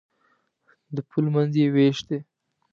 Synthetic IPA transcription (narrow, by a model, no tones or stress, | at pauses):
d̪əpʰulmanzjeweʃd̪e